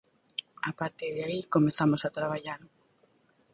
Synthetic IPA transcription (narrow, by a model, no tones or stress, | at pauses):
apaɾt̪eðaikomeθamosat̪ɾaβ̞aʎaɾ